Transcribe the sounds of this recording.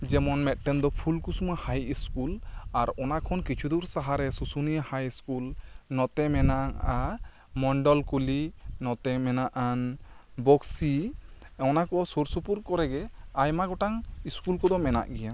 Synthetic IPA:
d͡ʒɛmɔnmɛt̪̚ˀʈɛnd̪ɔpʰulkusumahajiskulaɾɔnakʰɔnkit͡ʃʰud̪uɾsaɦaɾɛsusuniahajskulnɔt̪ɛmɛnaa | mɔɳɖɔlkulinɔt̪ɛmɛnaʔanbɔksi | ɔnakɔsoɾsupuɾkɔɾɛɡɛajmaɡɔʈaŋiskulkɔd̪ɔmɛna̰ʔɡɛja

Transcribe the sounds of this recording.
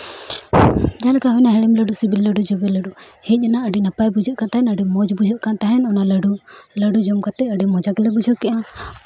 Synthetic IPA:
d͡ʒalɛkaɦɔjnaɦɛɽɛmləɖusibilːəɖud͡ʒɔbɛləɖuhɛc̚ˀɛnaʔəɖinapajbud͡ʒɔʔkat̪aɦɛnəɖimɔd͡ʒbud͡ʒʱɔʔkant̪aɦɛnɔnaləɖuləɖud͡ʒɔmkat̪ɛəɖimɔd͡ʒakɛlɛbud͡ʒɔʔkɛʔa

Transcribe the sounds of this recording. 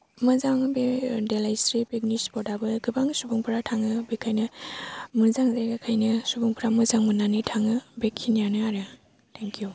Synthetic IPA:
mɯzaŋbedelajsɾipek̚nisbɔdabɯɡɯbaŋsubɯŋpʰɯɾatʰaŋɯbekʰajnɯ | mɯzaŋzajɡakʰajnɯsubuŋpʰɾamɯzaŋmɯnanitʰaŋɯbekʰːinijanɯaɾɯ | tʰeŋkiju

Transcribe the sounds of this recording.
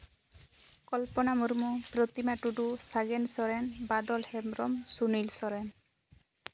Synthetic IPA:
kɔlpɔnamuɾmupɾɔt̪imaʈuɖusaɡensɔɾɛnbad̪ɔlhɛmɾɔmsunilsɔɾɛn

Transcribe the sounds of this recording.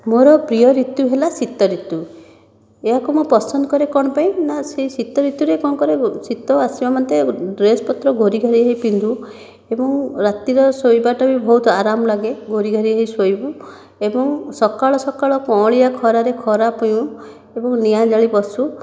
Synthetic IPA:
moɾɔpɾijɔɾit̪juɦelasit̪ɔɾit̪u | eɦakumopɔsɔnd̪ɔkɔɾekɔɽ̃ɔpaĩnasesit̪ɔɾit̪juɾekɔnkɔɾesit̪ɔasibamɔnt̪eɖɾespɔt̪ɾɔɡʱoɾiɡʱɔɾiaɦipind̪u | ebɔŋɾat̪iɾɔsojbaʈɔbibʱɔɦut̪ɔaɾamɔlaɡeɡʱoɾiɡʱɔɾiaɦisojbu | ebɔŋsɔkaɭɔsɔkaɭɔkɔ̃ɭiakʰɔɾaɾekʰɔɾapɔjũ | ebɔŋnijad͡ʒaɭibɔsu

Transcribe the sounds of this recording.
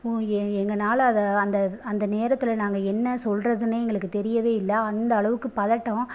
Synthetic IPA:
ɛɛŋɡɐnaːlɐðɐɐnd̪ɐɐnd̪ɐneːɾɐt̪ːɪlnaːŋɡɐɛnːɐsɔlrɐðɯnɯɛŋɡɐɭɯkːɯt̪ɛɾɪjɐʋeːɪlːɐːnd̪ɐːɭɐʋɯkːɯpɐðɐʈːɔ̃

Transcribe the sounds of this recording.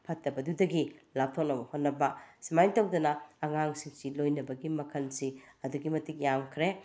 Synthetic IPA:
pʰɐtːɐbɐdudɐɡilap̚tʰok̚nɐbɐhot̚nːɐbɐsimajtawdɐnɐːŋaŋsiŋsilojnɐbɐɡimɐkʰɐlsiɐduɡimɐtik̚jamkʰɾe

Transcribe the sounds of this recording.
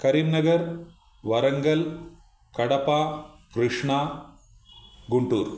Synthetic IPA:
kɐɾinnːɐɡɐɾ | ʋɐɾɐŋɡɐl | kɐɽɐpaː | kɾɨʂɳaː | ɡuɳʈuːɾ

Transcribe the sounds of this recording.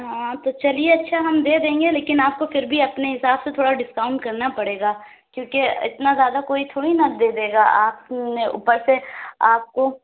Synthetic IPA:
ɦãːt̪ot͡ʃɐlieɐtːʃʰaɦɐmd̪eːd̪ẽːŋɡeleːkɪnaːp̚kofɪɾbʱiɐpneɦɪsaːbset̪ʰoːɽaɖɪskaːʊ̃ɳʈkɐɾnapɐɽeːɡaː | kjõːkeɪ̰t̪nazjaːd̪akoːit̪ʰoːɽinɐd̪eːd̪eːɡaaːpneʔṵpəɾseaːp̚ko

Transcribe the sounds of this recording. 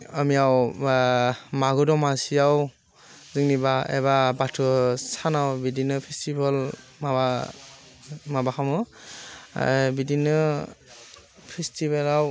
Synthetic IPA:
amijaw | maɡɯdɔmasijaw | zɯŋnibaḛbabatʰɯsanawbidinɯpʰestibal | maba | mabakʰamɯ̰ | bidinɯ | pʰestibelaw

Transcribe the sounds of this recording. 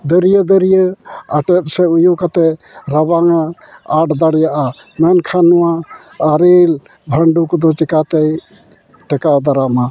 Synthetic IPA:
d̪əɾijəd̪əɾijəaʈɛt̚sɛujukat̪ɛ | ɾabaŋa | aʈʰd̪aɽjaʔa | mɛnkʰanːuwaː | ɾil | bʱəɳɖukd̪ɔt͡ʃikat̪ej | ʈɛkad̪aɾama

